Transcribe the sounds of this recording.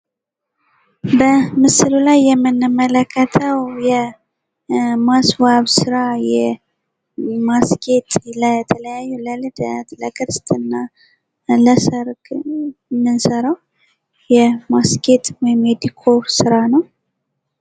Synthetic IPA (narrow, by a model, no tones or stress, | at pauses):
bəmɨsɨlulajːɛmːɨnːɨmːələkʰːət̪ʰəwjɛ | masbaβsɨɾajɛ | maske̞t̪ləɛt̪ʰələjajːuləlɨd̪ləkʰɨɾst̪ʰʼɨnːa | ləsəɾɡ | mːɨnsəɾəw | jɛmasket̪wɔjɪmed̪ikʰosɨɾanəw